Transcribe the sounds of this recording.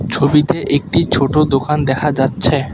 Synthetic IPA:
t͡ɕʰobit̪eʔek̚ʈit͡ɕʰoʈod̪okand̪ɛkʰad͡ʑatːɕʰe

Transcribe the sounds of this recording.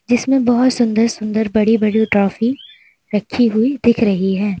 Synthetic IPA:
d͡ʒɪsmẽbɐɦʊt̪sʊ̃nd̪əɾsʊ̃nd̪əɾbɐɽibɐɽiʈɾɔːfi | ɾɐkʰːiɦʊid̪ɪkʰɾɐɦiɦɛː

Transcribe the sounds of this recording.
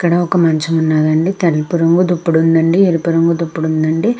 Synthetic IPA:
ɐkːɐɽɐɔkɐmɐɲt͡ʃɐmunːaːd̪ɐɳɖit̪ɐlipuɾɐŋɡud̪upːuɽund̪ɐɳɖieɾipuɾɐŋɡud̪upːuɽund̪ɐɳɖi

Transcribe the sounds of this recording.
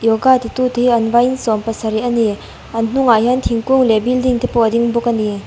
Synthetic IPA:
jɔɡat̪it̪ut̪əiɐnvajnsɔmpɐsaɾiʔɐni | ann̥uŋajant̪ʰiŋkuŋlɛbild̪iŋt̪ʰipɔd̪iŋbukani

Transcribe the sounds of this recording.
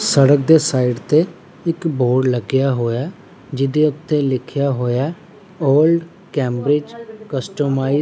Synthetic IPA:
səɽək̚d̪eːsaːiɖt̪eː | ɪkboːɽləɡjaːɦoːjaː | d͡ʒɪd̪eːʊt̪ːeːlɪkʰjaːɦoːjaː | oːlɖ | kɛ̃ːmbɾɪd͡ʒkəsʈəmaːi

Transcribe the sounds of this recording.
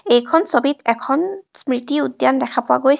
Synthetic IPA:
ejkʰɔnsobitɛkʰɔnsmɹit̪iudjandɛkʰapʊwa̰ɡojs

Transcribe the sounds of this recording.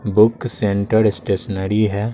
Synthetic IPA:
bʊksẽɳʈəɾɪsʈeːʃnəɾiɦɛː

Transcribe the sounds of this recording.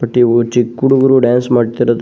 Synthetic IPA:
pɐʈːiot͡ʃikːuɽuɡɐɾuɖaːnsmaːɽt̪iɾɐd̪

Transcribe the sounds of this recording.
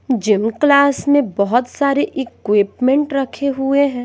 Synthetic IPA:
d͡ʒɪmklaːsmẽbɐɦʊt̪saːɾeʔɪkwɪpmẽɳʈɾɐkʰeɦueɦɛ̃ː

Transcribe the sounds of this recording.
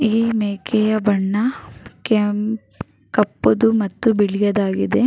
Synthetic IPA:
iːmeːkʰɛjɐbɐɳːɐke | kɐpːud̪umɐt̪ːubiɭijɐd̪aːɡid̪e̞

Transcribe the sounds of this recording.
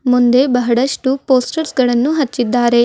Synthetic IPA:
mund̪e̞bɐɦɐɽɐʂʈupoːsʈɐɾsɡɐɭɐnːuɦɐt͡ʃːid̪ːaːɾe̞

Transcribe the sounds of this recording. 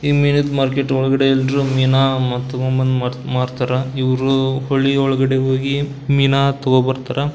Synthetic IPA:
iːminit̪maːɾkeʈɔɭɐɡɐɽeilɖɾumiːnamɐt̪ːɐɡɔmbɐnd̪amaːɽt̪aːɾɐiʋɾuhoɭːiɔɭɐɡɐɽeɦoːɡi | minat̪ɔɡobɐɾt̪aːɾɐ

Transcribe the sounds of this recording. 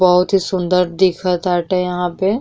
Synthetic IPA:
bɐɦʊt̪ɦisʊ̃nd̪əɾd̪ɪkʰət̪ɦaːʈɦɛjɐɦãpe

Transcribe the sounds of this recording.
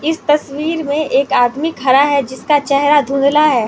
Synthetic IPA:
ɪst̪ɐswiːɾmẽʔeːkaːd̪mɪkɦɐɾaɦɛd͡ʒɪskat͡ʃɛɦɾad̪ʱũnd̪laɦɛː

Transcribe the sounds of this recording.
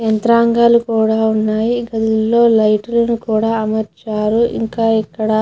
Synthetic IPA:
ent̪ɾaːŋɡaːlukuːɽaːunːaːjiɡɐd̪ulːo̞ːlɐjʈɐlɐnukuːɽaːɐmɐɾt͡ʃaːɾuḭŋkaːikːɐɽɐ

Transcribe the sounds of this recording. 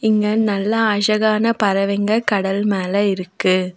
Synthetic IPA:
ɪŋɡɐnɐlːɐɐʂɐɣaːnɐpɐɾɐʋɛŋɡɐɭkɐɽɐlmeːlɐɪɾɯkːɯ

